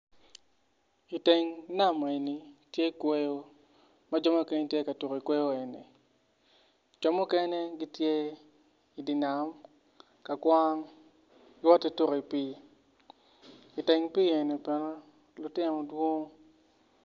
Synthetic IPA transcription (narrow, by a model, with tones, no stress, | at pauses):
i˨te˨ŋ˦na˦m˨i˨ni˨tje˦i˦kwe˦jo˦ | ma˦d͡ʒɔ˦ma˦ke˦ɲ˦tje˦ka˨tu˨ki˨kwe˦jo˦e˨nḭ˨ | d͡ʒɔ˦mu˦kɛ˦ne˦ɡi˦tje˦ | i˨di˨na˨m | ka˨kwa˦ŋ | ɡɪ˦wɔ˦ti˦tu˦ki˨piː˦ | i˨te˨ŋpi˦e˨ni˨pɛ˨no˦ | lʊ˨tɪ˦nɔ˨dwo˦ŋo˦